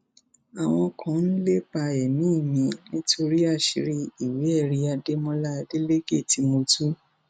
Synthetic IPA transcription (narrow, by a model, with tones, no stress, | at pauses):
a˨w̃ɔ̃˧kʰã˨˦n̩˦le˦pa˧ɛ˨nũː˦˨mĩ˨˧nĩ˦tʰo˧ɾi˦a˦˨ʃi˨˦ɾi˦i˨we˨˦ɛ˦˨ɾi˧a˧de˦mɔ̃˦la˦˧de˦le˦ɡe˦˨ti˧mo˧tu˦